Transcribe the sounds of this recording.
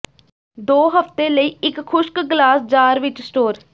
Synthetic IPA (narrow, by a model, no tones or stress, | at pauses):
d̪oːɦəft̪eːləiːɪkʰːʊʃkɡlaːsd͡ʒaːɾʋɪt͡ʃsʈoːɾ